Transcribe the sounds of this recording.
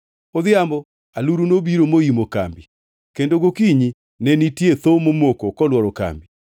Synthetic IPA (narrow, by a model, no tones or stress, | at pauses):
oðɪambɔ | aluɾunobiɾomoimoka̰mbi | kendoɡokiɲi | nɛnitieθomomokɔkɔlwɔɾoka̰mbi